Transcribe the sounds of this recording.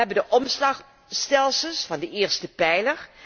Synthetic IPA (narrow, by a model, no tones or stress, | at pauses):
ɛbəndəʔɔmslɑχ | stɛlˠsəlˠsfɑndəʔɪːɹstəpɛjləɹ